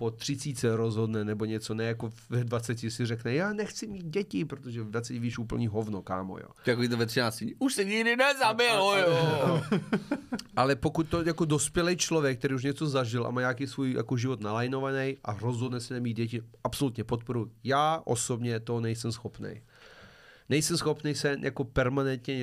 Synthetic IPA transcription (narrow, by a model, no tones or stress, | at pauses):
pot̪r̝̥ɪt͡siːt͡sɛɾozɦodnɛnɛboɲɛt͡so̞nɛjakovɛdvat͡sɛcɪsɪrɛknɛjaːnɛxt͡sɪmiːd̪̚ɟɛcɪpɾot̪oʒɛvɛdvat͡sɛcɛviːʃuːpl̩ɲiːɦovnoka̰ːmo̰jo̰ːt̪akovit̪ovɛt̪rɪnaːt͡scɪuʃsɛɲɪɡdɪnɛzabɪlojoːo | ʔalɛpokut̪̚t̪ojakodospjɛlɛjt͡ʃlovjɛk̚t̪ɛɾiːuʃ̬ɲɛt͡sozaʒɪlʔa̰maːɲaːkijsvuːjja̰koʒɪvot̪nalajnovanɛjʔa̰ɾozɦod̪nɛsɛnɛmiːd̪̚ɟɛcɪʔapso̞lut̪ɲɛpot̪̚po̞ɾujjaːʔo̰sobɲɛt̪onɛjsɛmsxo̞pnɛ̰j | nɛjsɛmsxo̞pnɛjsɛjakopɛɾmanɛnt̪ɲɛ